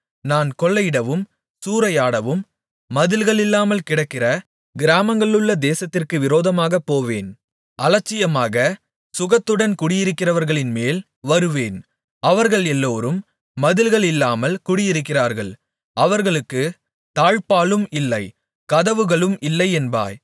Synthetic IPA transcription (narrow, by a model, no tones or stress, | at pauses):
naːnkɔɭːɐjɪɽɐʋɯm | suːɾɐjaːɽɐʋɯmː | ɐðɪlɣɐɭɪlːaːmɐlkɪɽɐkːɪrɐ | ɡɪɾaːmɐŋɡɐɭɯɭːɐd̪eːsɐt̪ːɪrkɯʋɪɾoːðɐmaːɣɐpːoːʋeːn | ʔɐlɐt͡ʃːɪjɐmaːɣɐ | sʊɣɐt̪ːɯɽɐnkʊɽɪjɪɾɯkːɪrɐʋɐɾɣɐɭɪnmeːl | ʋɐɾɯʋeːn | ɐʋɐɾɣɐɭɛlːoːɾɯmː | ɐðɪlɣɐɭɪlːaːmɐlkʊɽɪjɪɾɯkːɪraːɾɣɐɭ | ɐʋɐɾɣɐɭɯkːɯ | t̪aːɻpaːɭɯmɪlːɐɪ | kɐðɐʋɯɣɐɭɯmɪlːɐɪɛnba̰ːj